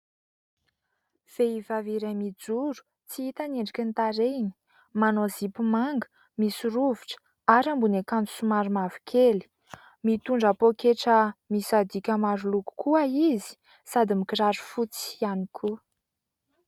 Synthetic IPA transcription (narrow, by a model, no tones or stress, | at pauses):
v̥eivaviɾamid͡zuɾu̥ | t͡siit̪aneɳɖ͡ʐikʲint̪aɾeni̥ | manozipumaŋɡə̥ | misuɾuviʈ͡ʂə̥ | aɾambunekanu̥sumaɾumavi̥kʲʰeli̥ | mit̪uɳɖ͡ʐapokeʈ͡ʂəmisad̪ikʲəmaɾuluku̥kʰuaizi̥ | sad̪imikiraɾufut͡si̥anikʰu